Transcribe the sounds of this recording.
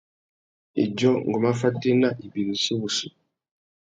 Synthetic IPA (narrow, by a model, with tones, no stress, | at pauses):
ḭ˨d͡ʒɔ˦ŋ˨ɡo˨ma˦fa˦te˦na˦˨ʔi˨bi˨ɣi˨si˦wu˨si˦˨